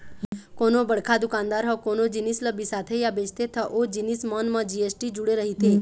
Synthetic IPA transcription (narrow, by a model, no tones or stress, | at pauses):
koːnobəɽkʰad̪ʊkãːnd̪aɾɦɔkonod͡ʒinisləbisat̪ʰejabet͡ʃt̪et̪ʰəʔod͡ʒinismɔnmãd͡ʒiesʈid͡ʒʊɽeɾəɦit̪e